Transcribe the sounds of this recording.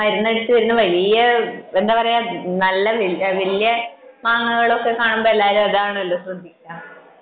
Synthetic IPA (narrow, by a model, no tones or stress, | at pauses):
ɐɾunːɐeɽut̪ːuʋɐɾinːɨʋɐlijɐe̞nd̪aːpɐrɐjaːnɐlːɐʋiʋɐlijɐmaːŋːuɣɐɭo̞kːekaːɳumboelːaːɾumɐðaːɳlːosrɐd̪ʱːikʲːaːm